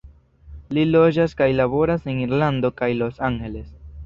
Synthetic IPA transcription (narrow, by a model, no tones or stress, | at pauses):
lilo̞d͡ʒaskajlaβo̞ɾaseniɾland̪o̞kajlo̞saŋhe̞le̞s